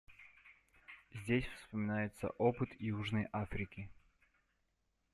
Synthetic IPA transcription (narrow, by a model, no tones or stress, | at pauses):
zʲdʲesʲfspəmʲɪnajɪt̪sə̰ʔopɨt̪juʐnəjʔafɾʲɪkʲɪ